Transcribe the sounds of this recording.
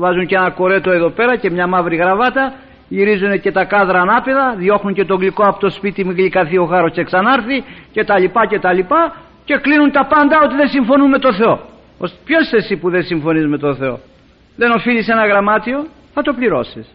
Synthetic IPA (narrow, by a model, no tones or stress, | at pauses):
vɐzuɲce̞nɐko̞ɾe̞t̪o̞e̞ðo̞pe̞ɾɐce̞mɲɐmɐvɾiɣɾɐvɐt̪ɐ | ʝiɾizune̞ce̞t̪ɐkɐðɾɐːnɐpeðɐðjo̞xnuɲce̞t̪o̞ŋɡlikoɐpot̪o̞spit̪imiɣlikɐθio̞xɐɾosceksɐnɐɾθice̞t̪ɐlipɐce̞t̪ɐlipɐ | ce̞klinunt̪ɐpɐnd̪ɐo̞t̪iðesiɱfo̞nume̞t̪o̞θe̞o̞ | ospço̞st̪esipuðensiɱfo̞nizme̞t̪o̞θe̞o̞̰ | ðe̞no̞filise̞nɐɣɾɐmɐt̪io̞ | θɐt̪o̞pliɾo̞̰sis